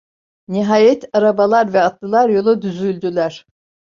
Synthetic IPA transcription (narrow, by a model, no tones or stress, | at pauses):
niɦaːjɛt̪ʰaɾabalˠaɾvɛat̪lˠɯlˠaɾjo̞lˠud̪yzylʲd̪ylʲæɾ̥